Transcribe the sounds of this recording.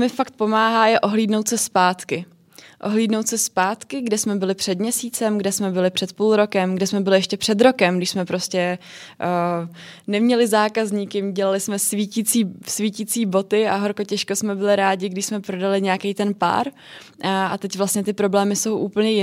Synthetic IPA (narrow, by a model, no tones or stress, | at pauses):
mɪfakt̪̚po̞maːɦaːjɛʔo̞ɦliːdnowt̪sɛspaːt̪kɪ | ʔo̞ɦliːdnowt̪sɛspaːt̪kɪɡdɛsmɛbɪlɪpr̥ɛd̪mɲɛsiːt͡sɛmɡdɛsmɛbɪlɪpr̥ɛt̪puːlɾo̞kɛmɡdɛsmɛbɪlɪjɛʃcɛpr̝̥ɛd̪ɾo̞kɛmɡdɪʃsmɛpɾo̞scɛ | nɛmɲɛlɪzaːkazɲiːkɪmɟɛlalɪsmɛsviːciːt͡siːsviːciːt͡siːbo̞t̪ɪa̰ɦoɾkocɛʃkosmɛbɪlɪɾaːɟɪɡdɪʃsmɛpɾo̞dalɪɲɛakejt̪ɛnpa̰ːɾ | ʔa̰t̪ɛcvlast̪ɲɛt̪ɪpɾo̞blɛːmɪso̞wʔuːpl̩ɲɛjɪ